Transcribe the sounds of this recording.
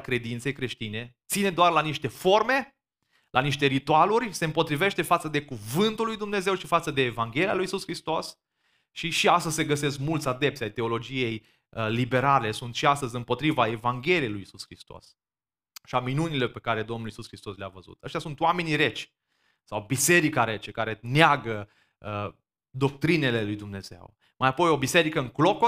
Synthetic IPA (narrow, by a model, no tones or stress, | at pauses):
kɾe̞d̪int̪se̞jkɾe̞ʃt̪ine̞t̪sine̞d̪oarlaniʃt̪e̞fo̞rme̞ | lʔaniʃt̪e̞ɾit̪ualurʲse̞ɨmpo̞t̪ɾive̞ʃt̪e̞fat̪səd̪e̞kuvɨnt̪ulːujd̪umne̞ze̞wʃifat̪səd̪e̞ːvaŋɡʲe̞lialujisuskɾist̪o̞s | ʃiʃiast̪əzʲse̞ɡəse̞s̬kmult̪sʲad̪e̞p̚t̪sajt̪e̞o̞lo̞d͡ʒije̞j | əlibe̞ɾale̞sunt̪ʃiast̪əzʲɨmpo̞t̪ɾivae̞vaŋɡʲe̞lijejlujisuskɾist̪o̞̰s | ʃiaminunile̞pe̞kaɾe̞d̪o̞mnulisuskɾist̪o̞sleavəzṵt̪ə̰ʃt̪ʲjasunt̪wame̞niɾe̞t͡ʃʲ | sawbise̞ɾikaɾe̞t͡ʃekaɾe̞neaɡə | ə | d̪o̞k̚t̪ɾine̞le̞lujd̪umne̞ze̞̰w | majapo̞jo̞bise̞ɾikəɨŋklo̞ko